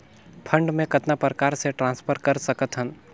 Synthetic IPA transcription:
pʰə̃ɳɖmẽkət̪napɾəkaːɾseʈɾãːnspʰəɾkɐɾsəkət̪ɦə̃n

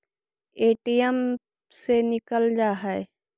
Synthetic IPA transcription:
eːʈijəm | senɪkəld͡ʒaːɦɛe

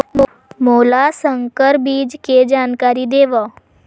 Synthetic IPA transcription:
moːlasə̃ŋkəɾbiːd͡ʒked͡ʒaːnkaːɾid̪eːʋa

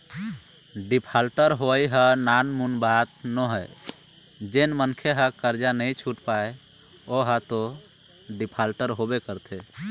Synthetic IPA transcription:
ɖipʰalʈəɾɦoəjɦənanmunbat̪nɔɦəj | d͡ʒenmənkʰeɦəkəɾd͡ʒanəjt͡ʃʰuʈpae | oɦət̪o | ɖipʰalʈəɾɦobekəɾt̪ʰe

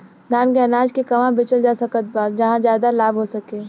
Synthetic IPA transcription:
d̪ʱaːnkeɐnaːd͡ʒkekɐʋãbɪt͡ʃəld͡ʒaːsɐkət̪̚baːt̪̚d͡ʒɐɦãd͡ʒjaːd̪alaːbɦosɐkeː

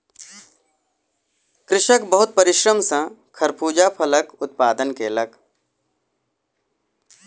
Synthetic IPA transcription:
kɾɪʃəkbəɦʊt̪̚pəɾɪʃɾəmsə̃kʰɐɾpuːd͡ʒapʰələkʊt̪̚paːd̪ənkeləɡ

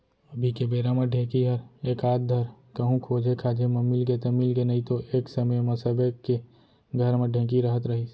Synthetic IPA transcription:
ɐbʱikebeːɾamɐɖʱẽːkiɦəɾeːkaːt̪̚d̪ʱəɾkɐɦũkʰoːd͡ʒʱekʰaːd͡ʒʱemɐmiːlket̪ɐmiːlkenɐɦĩt̪oʔeːksɐməjmɐsəbeke | ɡʱɐɾmẽɖʱẽːk̬iɾɐɦət̪ɾɐɦi

